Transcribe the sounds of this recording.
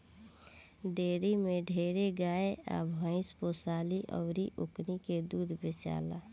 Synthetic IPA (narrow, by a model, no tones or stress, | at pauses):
ɖeːɾimẽɖʱeːɾeɡaːeʔa̰ːbʱə̃ɪ̃spoːsaːliʔə̰ːɾiʔʊkniked̪uːd̪bet͡ʃa̰ːla̰ː